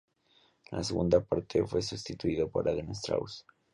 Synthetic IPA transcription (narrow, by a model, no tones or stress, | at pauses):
lʔa̰seɣṵnd̪apaɾt̪ʰefwe̞sust̪it̪uiðopo̞̰ɾʔaðenest̪ɾa̰ws